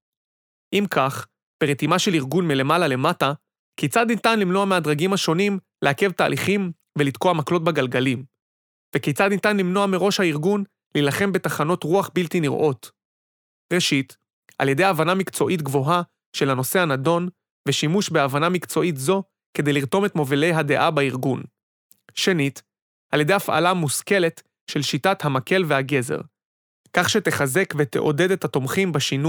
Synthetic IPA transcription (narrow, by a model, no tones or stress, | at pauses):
ʔimkaχ | b̥e̞ʁet̪imaʃe̞liʁɡunmile̞malale̞mata | kejt͡sad̪nit̪anlimno̞amead̪ʁaɡimhaʃo̞nimlehake̞vta̰ːliχim | velid̪koamaklo̞t̚beɡalɡalim | vekejt͡sad̪nit̪anlimno̞ameʁo̞ʃhaiʁɡun | lilaχe̞mbe̞taχano̞tʁuaχbiltiniʁʔo̞t | ʁeʃit | a̰lje̞de̞javanamikt͡so̞ʔitɡvo̞ɦa | ʃe̞lano̞se̞anado̞n | veʃimuʃbe̞avanamikt͡so̞itzo̞ | ke̞d̪ejliʁto̞me̞t̪mo̞vile̞jɦade̞ʔabaiʁɡun | ʃe̞nit | halje̞de̞jafa̰lamuske̞le̞t | ʃe̞lʃitathamake̞lve̞haɡe̞zḛʁ | kaχʃeteχaze̞kvet̪ḛʔo̞̰de̞det̪hato̞mχimbaʃinu